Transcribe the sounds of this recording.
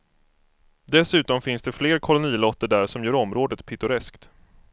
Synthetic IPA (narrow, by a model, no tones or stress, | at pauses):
d̪ɛsʉ̟ːt̪ɔmfɪnsd̪ɛfleːɾkʰɔlʊniːlɔt̪ːəɖæɾʂɔmjœːɾɔmːɾoːd̪ət̪pʰɪt̪ʊɾɛskt̪